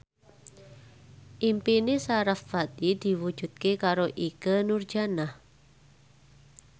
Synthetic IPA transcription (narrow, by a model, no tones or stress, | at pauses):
ʔimpinɪsaɾafːat̪id̪̥i̤wu̥d͡ʒ̥ṳd̪̥̚kekaɾoʔikənurd͡ʒanah